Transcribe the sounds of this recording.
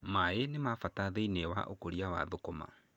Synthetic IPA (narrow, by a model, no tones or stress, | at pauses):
maenemafataðeinewa̰ʔo̰koɾiawa̰ðokoma̰